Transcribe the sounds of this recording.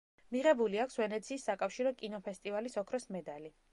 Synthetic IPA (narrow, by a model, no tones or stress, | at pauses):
miʁɛbuliakʰsvɛnɛt̪sʰiːsːakʼafʃiɾɔkʼinɔpʰɛst̪ʼivalisɔkʰɾɔsmɛd̪ali